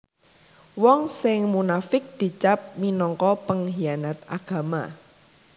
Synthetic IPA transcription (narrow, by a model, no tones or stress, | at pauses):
wɔŋsɪŋmunafɪk̚d̪̥i̤t͡ʃap̚minɔŋkɔpəŋɦijanat̪a̰ɡ̥a̤ma